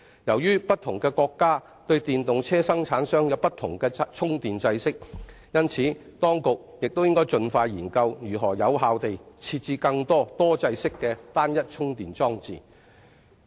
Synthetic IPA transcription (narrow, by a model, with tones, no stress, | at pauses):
jɐ˨˩wjyː˥pɐ˥t̚t̪ʰʊ˨˩ŋkɛː˧kɔː˧kːaː˥ | t̪ɵ˧ɥt̪iː˨nt̪ʊ˨ŋt͡sʰɛː˥sɐ˥ŋt͡sʰaː˨˥nsœː˥ŋjɐ˨˧wpɐ˥t̪ʰʊ˨˩ŋkɛː˧t͡sʰʊ˥ŋt̪iː˨nt͡sɐ˧jsɪ˥k̚ | jɐ˥nt͡sʰiː˨˥ | t̪ɔː˥ŋkʊ˨k̚jɪ˨k̚t̪o˥wjɪ˥ŋkɔː˥jt͡sɵ˧nfaː˧jjiː˨˩nkɐ˧wjyː˨˩ɦɔː˨˩jɐ˨˧wɦaː˧wt̪e˨jt͡sʰiː˧t̚t͡siː˧kɐ˧ŋt̪ɔː˥t̪ɔː˥t͡sɐ˧jsɪ˥kːɛː˧t̪aː˥njɐ˥t̚t͡ʃʰʊ˥ŋt̪iː˨nt͡sɔː˥ŋt͡sḭː˨˩